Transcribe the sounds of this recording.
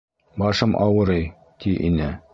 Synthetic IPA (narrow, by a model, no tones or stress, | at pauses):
bɑʃɤmʔɑ̰wɤɾɤj | t̪ʰiʔinɘ